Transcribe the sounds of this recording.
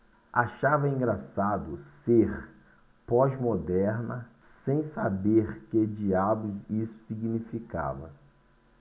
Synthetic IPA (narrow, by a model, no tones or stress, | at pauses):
aʃavɐĩŋɡɾasad̪ʊseɾ | pɔzmod̪ɛɾnɐ | sẽj̃sabeɾked͡ʒiabʊzisʊ̥siɡnifika̰vɐ̰